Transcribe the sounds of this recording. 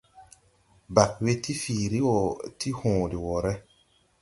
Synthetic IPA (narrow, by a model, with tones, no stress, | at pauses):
ba˨k̚we˦ti˦fiː˨ɾi˦wɔ˨ti˦hɔ̃ː˨di˨wɔ˨ɾɛ˦